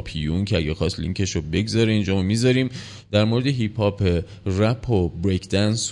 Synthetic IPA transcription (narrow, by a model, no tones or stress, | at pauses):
pʰijuncʰeæɟæxɒːstlḭŋcʰeʃobe̞ɡzɒɾeind͡ʒɒːmmizɒɾiːm | d̪̥æɾmoɾed̪eɦipʰɒːpʰe | ræpʰːobɾekʰd̪̥æns